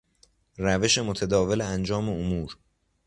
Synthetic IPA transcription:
ræve̞ʃe̞mot̪ʰæd̪ɒːve̞leænd͡ʒɒːme̞omuːɾ

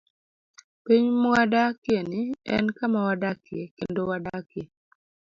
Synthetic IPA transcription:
piɲmɔwadakenɪɛ̰nkamawadakekendowadake

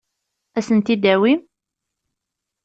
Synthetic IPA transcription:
æsənt̪id̪æwim

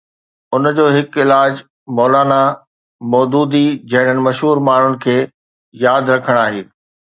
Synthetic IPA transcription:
ʊnd͡ʑoːɦɪkɪlaːd͡ʑ | mɔːlaːna | mɔːd̪uːd̪id͡ʑɐɦɪɽ̤̃ənɪ̆mɐʃɦuːɾmaːɳ̤ʊnɪ̆kʰeː | jaːd̪ɾɐkʰəɽ̃aːɦeː

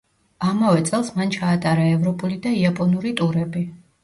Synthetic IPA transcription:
amavɛt̪sʼɛlˠsmant͡ʃʰaːt̪ʼaɾaɛvɾɔpʼulid̪aiapʼɔnuɾit̪ʼuɾɛbi

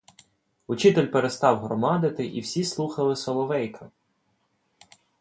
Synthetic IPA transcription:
ʊt͡ʃit̪elʲpeɾest̪ɑwɦɾɔmɑd̪ɪt̪ɪʔiwsʲislˠuxɐlˠɪsɔlˠɔʋɛjkʰɐ

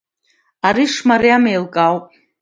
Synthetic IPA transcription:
aɾiʂmaɾiamejlkʼawpʼ

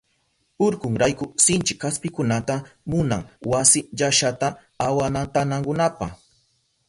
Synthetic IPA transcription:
ʊɾkʊŋɾajkʊsɪnt͡ʃɪkʰːaspɪkʊnat̪amʊna̰ŋwasɪʎaʃat̪a | awanat̪anaŋkʊnapa̰χ

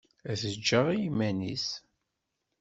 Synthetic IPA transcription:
æðəd͡ʒːəʁijimːænis

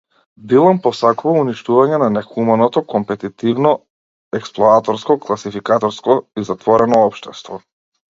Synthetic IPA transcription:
b̪ilˠampɔsakuvauniʃt̪uvaɲɛnanɛxumanɔt̪ɔkɔmpɛt̪it̪ivnɔ | ɛksplˠɔat̪ɔɾskɔklˠasifikat̪ɔɾskɔizat̪vɔɾɛnɔɔpʃt̪ɛst̪vɔ

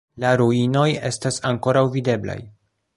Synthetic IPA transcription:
laɾuino̞je̞stasaŋko̞ɾawvide̞bla̰j

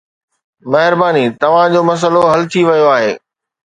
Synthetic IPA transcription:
mɐɦɪɾbaːnit̪ɐʋ̤ãd͡ʑoːmɐs̬əloɦɐlt̪ʰiʋɐjoaːɦeː

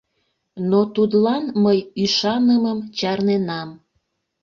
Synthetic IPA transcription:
not̪ud̪lɑnməjyʃɑnəməmt͡ɕɑrnenɑm

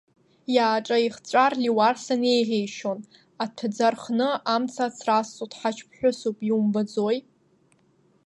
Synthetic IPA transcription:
jaːʈ͡ʂʼaiχt͡ɕʷʼarliwarsane̞jʁejʃon | apʰd͡zarχnɨamt͡sʰat͡sʰrast͡sʼutʰʼħat͡ʃʰpʰħʷᶣʊsupʼiumbad͡zoj

